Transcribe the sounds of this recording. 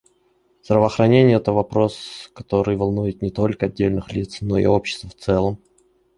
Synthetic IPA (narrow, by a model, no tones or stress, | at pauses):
zd̪ɾəvəːxɾɐnʲenʲɪjəɛt̪əvɐpɾo̞skɐt̪o̞ɾɨjvɐlˠnujɪt̪nʲɪt̪o̞lʲkəɐdʲːelʲnɨxlʲit̪sno̞ɪ̰opɕːɪ̥st̪vəft̪sɛlˠəm